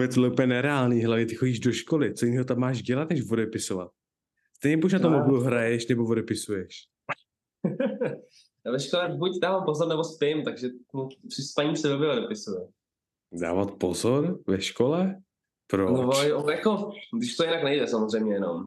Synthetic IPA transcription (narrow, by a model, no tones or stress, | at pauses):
vjɛt̪lɛupjɛnɛɾɛaːlniːɦlavɲɛt̪ɪxo̞ɟiːʒdoʃkolɪt͡sojiniːɦot̪ammːaːʃɟɛlat̪nɛʃvodɛpɪsovat̪̚ | st̪ɛjɲɛpoʃ̬nat̪omobluɦɾajɛʃnɛbovodɛpɪsujɛʃ | vɛʃkolɛbucdaːvampozoɾnɛbospɪmt̪aɡʒɛt̪mupr̥ɪspaɲiːsɛbɛbɪvodɛpɪsujɛ | da̰ːvat̪pozoɾvɛʃkolɛ | pɾonovoojakoɡdɪʃt̪ojɪnaknɛjdɛsamozrɛjmɲɛjɛno̰m